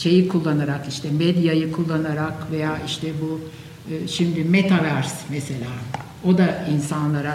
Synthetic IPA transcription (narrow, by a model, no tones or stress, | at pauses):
ʃe̞jikʰulˠːanaɾakiʃt̪ʰɛmed̪jajɯkʰulˠːanaɾakve̞jaːʔiʃt̪ʰɛbu | ʃimd̪imet̪ʰavæɾsmese̞lʲaː | o̞d̪ainsanlˠaɾa